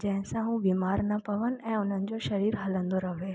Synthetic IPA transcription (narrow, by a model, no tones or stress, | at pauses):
d͡ʑɛ̃ɦɪ̃sãɦũbiːmaːɾnɐpɐʋənɛ̃ːʊn̤ənɪ̆d͡ʑoʃɐɾiːɾɦɐlə̃nd̪oɾɐʋeː